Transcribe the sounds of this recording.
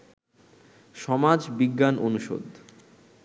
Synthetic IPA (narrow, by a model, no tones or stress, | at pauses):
ʃɔmad͡ʑbiɡːanʔonuʃo̰d̪